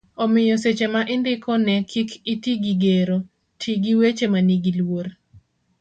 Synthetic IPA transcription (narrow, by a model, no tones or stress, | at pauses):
ɔmɪjɔset͡ʃemaʔɪndɪkʰɔnɛkʰikitiɡiɡeɾo | tʰiɡiwet͡ʃemaniɡilwor